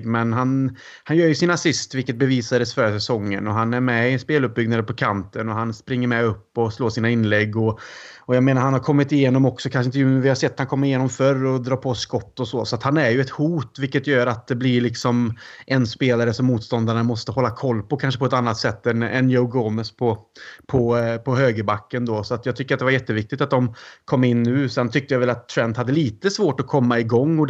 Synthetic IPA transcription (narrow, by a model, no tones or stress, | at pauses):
ɡmɛnɦan | hanjœːɾjɵsɪnasɪst̪vɪlkət̪̚bɛviːsad̪əsfœːɾəsɛsɔŋːə̰nɔɦanæɾmɛɪɛnspeːlɵp̚bʏɡnad̪əpʰɔkʰant̪ənɔɦanspɾɪŋːəɾmɛɵpːɔsloːsiːnaɪnːlɛɡːɔɔjameːnaɾhanhaɾkʰɔmːɪt̪ɪjeːnɔmɔksɔkʰanʂ̬ɪnt̪əjʉːmɛvɪhaɾsɛt̪ːhankʰɔmːəɾɪjeːnɔmfœrɔd̪ɾɑːpʰɔskɔt̪ːɔsɔsɔat̪hanæɾjɵɛt̪huːt̪vɪlkːət̪jœːɾat̪̚d̪ɛblɪɾɭɪksɔmʔɛnspeːlaɾəsɔmːuːt̪st̪ɔnd̪aɾɳamɔst̪əhɔlːakʰɔlːpɔkʰanʂəpʰɔɛt̪anːat̪sɛt̪ːɛnɛ̰njoʊɡɔməspʰɔpʰɔpʰɔɦøːɡəbakːənd̪ɔsɔat̪jɑːɡ̚t̪ʏkːəɾat̪d̪ɛvaɾjɛt̪ːəvɪk̚t̪ɪkt̪at̪̚d̪ɔmkʰɔmːɪnːʉ̟ːsɛnt̪ʰʏk̚t̪əjavɛlat̪ʰːɾɛnd̪had̪ːəliːt̪əsvoːʈɔkʰɔmːaɪɡɔŋːɔ